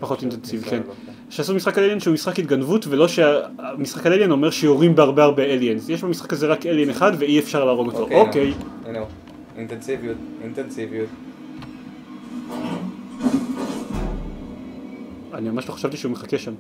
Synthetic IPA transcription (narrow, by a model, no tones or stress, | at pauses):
paχo̞tintensiviken | ʃeasumisχakalelienʃeumisχakit̪̚ɡanvutvelo̞ʃeamisχakaleljeno̞meʁʃejoʁimbeaʁbeaʁbeeljenzjeʃbamisχḁkazeʁakelieneχadveiefʃaʁlaːʁo̞ɡot̪oʔokejuno | ĩntɛnsivijutĩntɛnsivijut | animamaʃloχḁʃavt̪iʃeumeχakeʃam